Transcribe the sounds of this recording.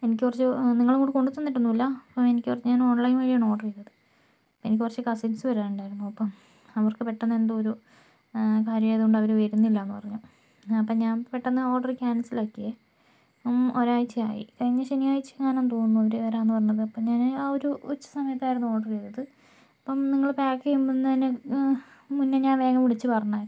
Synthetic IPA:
e̞nikʲːkurɐt͡ɕːɨniŋːɐɭŋɡoɳɖɨkoɳɖut̪ːonːiʈːunːuilːɐɐpːɐme̞nikʲːɨkurɐt͡ɕːɨɲaːno̞ːɳlɐjnʋɐɻijɐno̞ːɖɐrejt̪ːɐðɨ | penikʲːikurɐt͡ɕːɨkɐsinsɨʋɐɾaːnuɳɖaːjɾunːuɐpːɐm | ɐʋɐrkɨpeʈːɐnːɐend̪ɨoɾu | kaːɾjɐmejðoɳɖɐʋɐɾuʋɐɾunːilːɐːnːɨpɐrɐɲːu | ɐpːɐːɲaːnpeʈːɐnːɐoːɖɐrkʲaːnɐsilokːije | moɾaːjit͡ɕːɨa̰ːjḭkɐɻiɲːɐɕenijaːjit͡ɕːɨŋaːnɐmt̪oːnːuɐʋɐɾuɐɾaːnːuɨpɐrɐɲːɐðɨɐpːɐmɲaːnoɾuut͡ɕːɐ̥sɐmɐjɐt̪ːaːjɾunːuoːɽɐrejt̪ːɐðɨ | ɐpːɐmniŋːɐɭpaːkːejumbunːɐðinːe | munːeɲaːnʋe̞ːɣɐmiɽit͡ɕːɨpɐrɐɲːaːj

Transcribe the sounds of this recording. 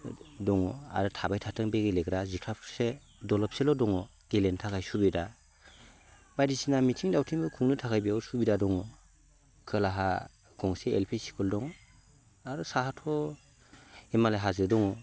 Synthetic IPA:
dɔŋɔa̰ɾɯtʰabajtʰatʰɯŋbeɡeleɡɾazikʰɾapʰse | dɔlɔp̚selɔdɔŋɔ | ɡ̥elentʰakʰajsubida | bajdisinamitʰiŋdawtʰiŋbɯkʰuŋnɯtʰakʰajbiasubidadɔŋɔ | kʰɯlaɦa | ɡɔŋsḛːlpʰisi̥kʰɔldɔŋɔ | aɾɔsahatʰɔ | emalajɦazɯdɔŋɔ

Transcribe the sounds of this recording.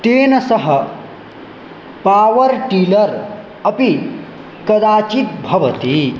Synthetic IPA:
t̪eːnɐsɐɦɐ | paːʋɐɾʈiːlɐɾ | ɐpi | kɐd̪aːt͡ʃit̪̚bʱɐʋɐt̪i

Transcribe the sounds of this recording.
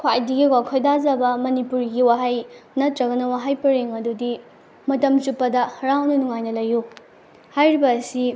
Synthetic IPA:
kʰwajdiɡiɡwakʰojdazɐbɐmɐnipuɾɡiwaɦajnɐtɾɐɡɐnɐwaɦajpɐɾeŋɐdudi | mɐtɐmt͡ʃupːɐdɐhɐɾawnɐnuŋajnɐlɐju | hajɾibɐːsi

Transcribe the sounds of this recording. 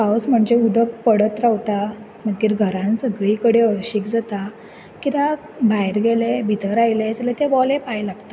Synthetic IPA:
pawsm̤əɳd͡ʑeud̪əppːəɽət̪ɾawt̪a | m̤əɡiːɾɡʱəɾãnsəɡɭikəɽeəɭɕiːkd͡zat̪a | kit̪a | bʱajɾɡelebʱit̪əɾajlet͡slet̪eʋɔlepajlaɡt̪a

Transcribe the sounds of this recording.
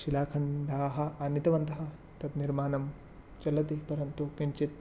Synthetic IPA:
ʃilaːkʰɐɳɖʱaːɦɐ̆ɐnit̪ɐʋɐnt̪ɐɦɐ̆ | t̪ɐt̪niɾmaːnɐm | t͡ʃɐlɐt̪ipɐɾjɐnt̪ukiɳt͡ʃit̪̚

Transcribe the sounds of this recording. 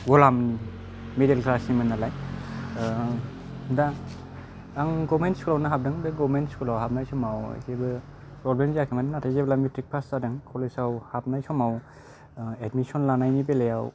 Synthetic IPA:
ɡɔlamni | medelkʰɾasimɯnalaj | da | aŋɡɔmentskʰulawnaɦab̚dɯŋbɯɡɔmentskʰulawhap̚najsɔmawḛkebɯpɾɔblemziakʰimaninatʰajzeblamitɾik̚pʰastadɯŋkʰɔlesawhap̚najsɔmaw | edmisɔnlanajnibelejaw

